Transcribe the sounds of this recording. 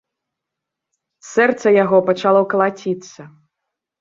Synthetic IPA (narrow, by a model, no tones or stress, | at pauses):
sɛrt̪sɐjaɣɔpɐt͡ʂalˠɔkɐlˠat͡sʲit̪sːɐ